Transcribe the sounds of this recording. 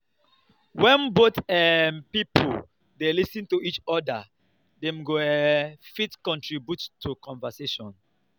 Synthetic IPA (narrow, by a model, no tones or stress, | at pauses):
wɛ̃nbotɛnpipo | delisĩntuit͡ʃɔda | dɛ̃mɡoɛfitkɔ̃ntɹibjutʰːukɔ̃ɱvaseʃɔ̃n